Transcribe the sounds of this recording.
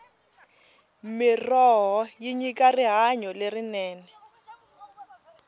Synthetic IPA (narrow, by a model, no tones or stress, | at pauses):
mɪrɔɦɔjiɲikariɦaɲɔlerinɛːnɛ